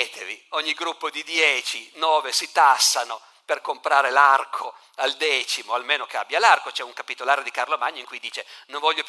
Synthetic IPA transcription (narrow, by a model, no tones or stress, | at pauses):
t̪ʰevioɲːiɡɾupːod̪id̪jɛːt͡ʃinɔːvesit̪asːano | perkompɾaːɾelarkʰo | ald̪ɛːt͡ʃimoalmeːnokeabːjalarkot͡ʃɛuŋkapit̪olaːɾed̪ikarlomaɲːoiŋkujd̪iːt͡ʃenõɱvɔʎːop